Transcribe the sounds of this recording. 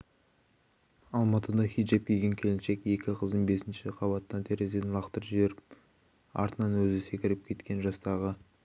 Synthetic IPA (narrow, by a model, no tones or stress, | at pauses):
ɑlˠmɑt̪əd̪ɑχʲij̪ʒep̚kʲʰeɡʲe̞ŋkʲʰe̞lɪnʃe̞ke̞kʲɪqʰəzd̪ənbe̞sɪnʃɪqʰɑβɑt̪ənːɑnt̪ʰeɾezenlˠɑqt̪əɾʒɪbe̞ɾɪp̚ | ɑ̰ɾt̪ənɑnwɵzɪse̞kʲɪɾɪp̚kʲʰe̞t̪kʲe̞nʒɑst̪ɑʁə